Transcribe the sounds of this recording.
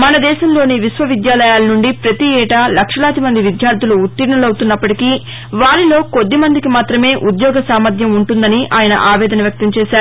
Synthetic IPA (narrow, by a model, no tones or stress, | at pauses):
mɐnɐd̪ɛːʃɐmloːniʋisʋɐʋid̪jaːlɐjaːlɐnuɳɖipɾɐt̪iɛːʈɐlɐkʂɐlaːt̪imɐnd̪iʋid̪jaːɾd̪ʱuluːt̪ːiɾɳɐlɐwt̪unːɐpːɐʈiki | ʋaːɾilo̞ːko̞d̪ːimɐnd̪ikimaːt̪ɾɐme̞ːʔud̪jɔːɡɐsaːmɐd̪ʱjɐmuɳʈund̪ɐniʔaːjɐnɐ̰ʔaːʋɛːd̪ɐnɐʋjɐk̚t̪ɐmt͡ʃɛːʃaːɾu